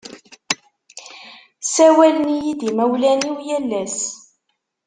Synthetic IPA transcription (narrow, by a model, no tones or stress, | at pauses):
sæwælənijid̪imæwlæniwjælːæs